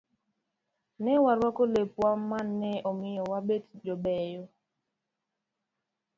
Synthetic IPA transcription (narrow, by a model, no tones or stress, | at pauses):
nɛwaɾwakolepwamːanːɛomɪjɔwabedd͡ʒɔbɛjɔ